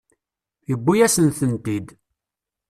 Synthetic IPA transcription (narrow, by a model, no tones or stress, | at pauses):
θjəbːujæsənθənt̪id̪